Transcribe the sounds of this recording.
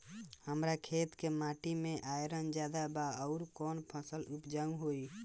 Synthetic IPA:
həmɾakʰeːt̪kemaʈimẽʔaːjɾənd͡ʒjad̪abaəʊɾkɔːnpʰəsəlupd͡ʒaũɦoi

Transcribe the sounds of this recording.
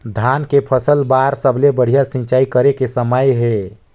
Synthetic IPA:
d̪ʱankepʰəsəlbaɾsəblebəɽ̤ijasĩt͡ʃaikəɾekesəməjɦɛ

